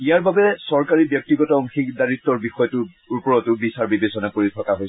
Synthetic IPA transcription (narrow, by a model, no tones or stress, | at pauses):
ijaɹbabɛsɔɹkaɹibjɔk̚tiɡɔtaɔŋxikdaɹitːɔɹbixɔjɔtʊ | upɔɹɔtʊbisaɹbibesɔnakoɹitʰɔkaɦoj